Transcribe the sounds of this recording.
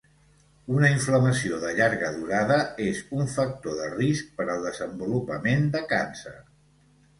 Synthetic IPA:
unəiɱfləməsioðəʎaɾɣəðuɾaðəezuɱfək̚t̪oðərisk̚pəɾəlˠd̪əzəmbulupəmend̪əkansə̰ɾ

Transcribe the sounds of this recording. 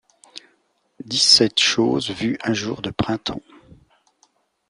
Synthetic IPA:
d̪isɛt̪ʃoːzvyɛ̃ʒuːʁd̪əpχɛ̃t̪ʰɑ̃

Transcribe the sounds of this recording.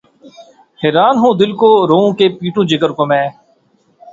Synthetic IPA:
heːɾaːnɦũːd̪ɪlkoːɾoːõːkeːpiːʈũːd͡ʒɪkəɾkomɛ̃ː

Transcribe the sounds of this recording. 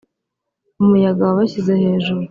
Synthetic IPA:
umujaɡawaβaɕizehe̞ːʒuɾu

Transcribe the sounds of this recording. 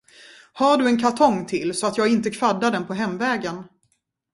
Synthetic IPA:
haːɖɵɛnkʰat̪ʰɔŋːt̪ʰɪlsɔat̪jɑːɡɪnt̪əkʰv̥ad̪ːaɖ̪ɛnpʰɔɦɛmːvɛːɡən

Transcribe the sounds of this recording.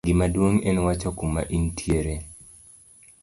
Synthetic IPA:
ɡɪmadwoŋɛnwat͡ʃɔkumːa̰ʔintʰjeɾe

